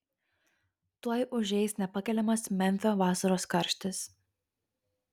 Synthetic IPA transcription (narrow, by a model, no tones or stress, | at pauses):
t̪uɔjʔʊʒʲɛɪsnʲɛpɐkʲɛlʲɛmɐsmʲɛnʲfʲoːʋɑːsɐɾoːskɐɾʲʃʲt̪ʲɪs